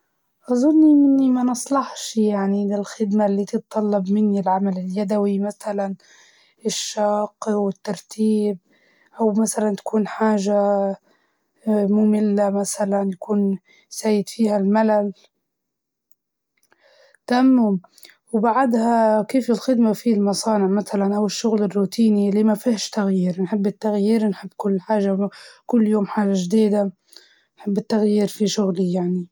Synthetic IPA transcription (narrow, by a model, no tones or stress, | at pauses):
ʔɑzˤʊnːiʔɪnːimanɨsˤlɑħʃjaʕnilɪlxɪd̪malːiːt̪ɨt̪t̪ˤːɑlːɑbmɪnːilʕamalɪljad̪awimaθalan | ɪʃːɑːqwɪt̪ːɑɾˤt̪ʰiːb̚ | ʔawmasalant̪ḁkuːnħaːʒa | muːmɪlːamasalanjakuːn | saːjɪd̪fiːhalmalal | t̪amːm | wbaʕad̪hakeːfɪlxɪd̪mafilmɑsˤɑːnɪʕmaθalanʔawɪʃːʊɣlɪrːuːt̪iːnilːimafihʃt̪aɣjiːɾnħɪbːɪt̪ːaɣjiːɾnħɪbːkʊlːħaːʒakʊlːjoːmħaːʒaʒd̪iːd̪a | nħɪbːɪt̪ːaɣjiːɾfiʃʊɣlijaʕni